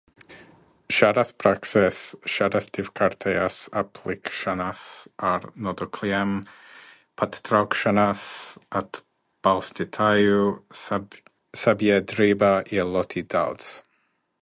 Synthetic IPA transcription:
ʃaɾaspʰɾaksɛsʃaɾasdɪvkʰaɾtʰeasapʰlɪkʃanasaɾnɔdɔkʰliɛm | pʰattʰɾɔkʃanasat | b̥alˠstɪtʰaju | sabjɛdɾibaiəlˠɔtʰida̰wts

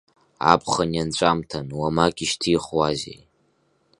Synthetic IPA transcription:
a̰pʰχanjant͡ʃʷʼamtʰanwamakʲʼiʃtʰiχwazḛj

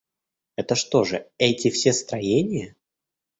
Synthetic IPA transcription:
ɛt̪əʂt̪o̞ʐɨɛtʲɪfsʲest̪ɾɐjenʲɪjə

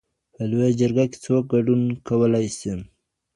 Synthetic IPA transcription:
pəlojad͡ʒəɾɡake̥t͡sok̚ɡaɖunkawəlajsim

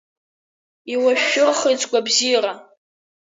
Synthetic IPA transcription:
iwaʃᶣːʊrχit͡sʼɡʷabzijra

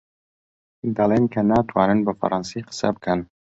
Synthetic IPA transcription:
d̪ɐlˠeːnkʰɐnaːt̪ʰwaːnɨnbɐfa̰ɾʔɑnsijqə̥sɐ̰bɨkʰɐn

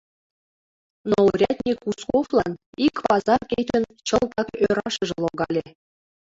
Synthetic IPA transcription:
noɾʲæt̪ʲnʲekuskoflˠɑn | ikʲpɑzɑrkʲejt̪ʲɘ̆nʲt͡ɕɤ̆lˠt̪ɑkøɾɑʂɤ̆ʐɤ̆lˠŏɡɑlʲĕ

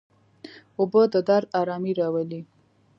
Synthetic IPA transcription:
ʊbəd̪əd̪aɾd̪ɑɾɑmiɾɑwali

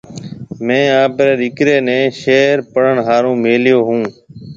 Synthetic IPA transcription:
mɛ̃ːaːpɾeːɗɪkɾeːnɛ̃ːʃeːɾpəɽ̤əɳɦaːɾũːmeːljoːɦũː

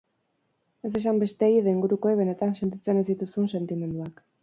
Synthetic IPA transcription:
e̞s̬e̞sambe̞st̪eːɣiðeiŋɡuɾuko̞eβ̞e̞ne̞t̪anse̞nt̪̬it͡se̞nezd̪it̪usunse̞nt̪ime̞nd̪uak

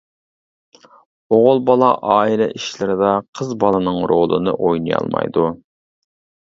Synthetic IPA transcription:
oʁʊlˠbɑlˠɑʔɑːilɛʔiʃlɪɾɪd̪ɑqʰəzbɑlˠɨnɨŋɾolˠɨnɨ̰ʔojnɨjɑ̰lˠmɑ̰jd̪u

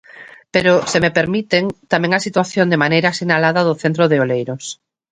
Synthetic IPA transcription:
peɾʊsemepeɾmit̪eŋt̪amɛ̃ŋasit̪waθjõnd̪emanejɾasinalaðɐðʊθent̪ɾoðeolejɾos

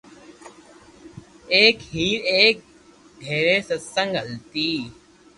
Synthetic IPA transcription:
eːkɦiːɾeːk̚ | ɡʱeːɾeːsəsə̃ŋɡɦəlt̪iː

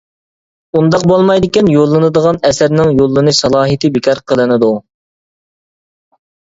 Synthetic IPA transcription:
und̪ɑq̚bolˠmɑjd̪ɪkʲɛnjolˠːɨnɨd̪əʁɑnɛsæɾnɪŋjolˠːɨnɨsɑlˠɑːɦit̪ʰɨbɪkʰʲɑɾqʰəlˠɨnɨd̪u

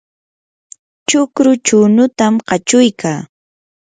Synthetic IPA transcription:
t͡ʃʊkɾʊt͡ʃʊːnʊt̪amɢɑt͡ʃʊjkʰaː

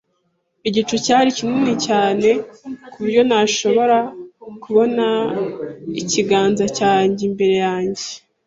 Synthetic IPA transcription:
iɟit͡ʃucaːɾicininicaːne̞kujo̞naʃo̞βo̞ɾakuβo̞na | iciɡaːnzacaːɲɟimbe̞ɾe̞jaːɲɟe

